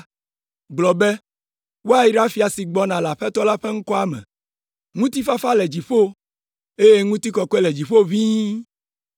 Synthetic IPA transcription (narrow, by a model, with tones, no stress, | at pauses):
ɡ͡blɔ˨be˦ | wo˦a˨ji˦ɖa˦fi˨a˨si˨ɡ͡bɔ˦nã˨la˨ɸɛ˦t̪ɔ˦la˦ɸɛ˦ŋ̩u˦kɔ˦a˦mɛ̰̃˨ | ŋũ˦t̪i˦fa˦fa˦lɛ˨d͡ʑi˨ɸo˦ | e˦je˦ŋũ˦t̪i˦kɔ˨ke˦lɛ˨d͡ʑi˨ɸo˦vĩ˦